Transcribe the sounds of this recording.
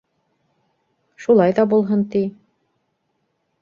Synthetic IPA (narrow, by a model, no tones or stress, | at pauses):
ʃulˠɑjðɑbulˠɦɤnt̪i